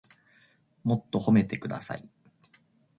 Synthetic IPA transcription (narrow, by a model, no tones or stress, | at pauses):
mo̞t̪ːo̞ho̞me̞t̪e̞kɯ̟d̪a̰sa̰i